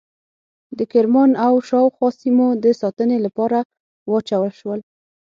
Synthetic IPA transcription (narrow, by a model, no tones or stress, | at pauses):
d̪əkɪɾmɑnawʃɑwxwɑsimod̪əsɑt̪ənelapɑɾa | wɑt͡ʃawəlʃwəl